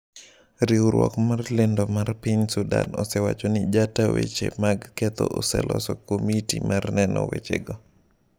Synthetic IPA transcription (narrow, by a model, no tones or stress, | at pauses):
ɾiuɾwɔkmarlendomarpiɲsudanɔsɛwa̰t͡ʃonɪd͡ʒatawet͡ʃemaɡkɛt̪ɔʔɔsɛlʔɔsɔkomitimʔarnɛnɔ̰wet͡ʃeɡɔ